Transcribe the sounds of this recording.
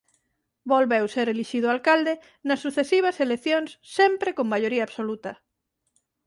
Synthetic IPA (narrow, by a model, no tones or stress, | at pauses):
bolβewseɾeliʃiðʊalkald̪e | nɐsːuθesiβ̞ɐseleθjoŋsːempɾekoŋmaʎoɾiaːβsolut̪ɐ